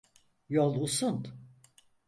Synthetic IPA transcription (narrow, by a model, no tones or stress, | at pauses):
jolˠusunt̪